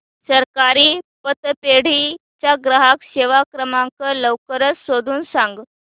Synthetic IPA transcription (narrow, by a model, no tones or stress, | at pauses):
səɾkaɾiːpət̪peɽ̤it͡ɕjaɡɾəɦakɕeʋakɾəmaŋkələʋkəɾət͡ssod̪ʱuːnsãŋɡ